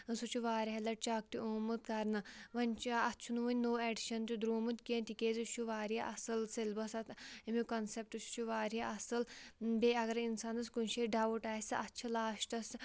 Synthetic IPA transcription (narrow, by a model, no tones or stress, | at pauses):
sut͡ʃʰuʋaːɾiɦɐlɐʈ̚t͡ʃak̚t̪iomɨt̪kɐɾnɐʋɐnʲt͡ʃɐɐtːt͡ʃʰunuʋɐnʲnoːeɖʃɐnt̪id̪ɾoːmut̪kiẽnʲt̪ikeːzit͡ʃʰuʋaːɾijaʔɐsɨlselbɐsɐt̪imikɐnsep̚ʈɨt͡ʃʰu̥t͡ʃʰuʋaːɾijaʔɐsɐlbeɐɡɐɾinsaːnɐskunʃeɖɐʋuʈaːsɨɐtːt͡ʃʰɐlaːʃʈɐs